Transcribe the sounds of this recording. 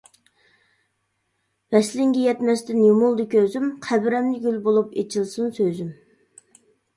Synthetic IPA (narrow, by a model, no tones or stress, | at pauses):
vɛslɪŋɡʲɛjɛt̪mɛst̪ɪnjumulˠd̪ɪkʲʰøzymqʰæbɾɛmnɪɡʲylbolˠupet͡ʃʰilˠsunsøzym